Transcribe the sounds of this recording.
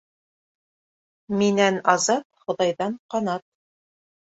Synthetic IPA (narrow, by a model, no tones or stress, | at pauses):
minænɑzɑt̪̚χŏðɑjðɑɴqɑnɑt̪̚